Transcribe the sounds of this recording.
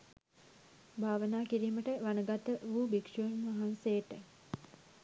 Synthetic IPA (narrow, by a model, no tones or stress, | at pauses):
bʱaːʋənaːkiɾiːməʈəʋanəɡat̪əʋuːbikʂunmaɦansejəʈə